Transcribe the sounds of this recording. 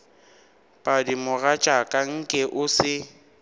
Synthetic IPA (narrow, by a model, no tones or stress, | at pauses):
pʼadimʊɣat͡ʃʼakʼaŋ̩kʼɛʔʊsɪ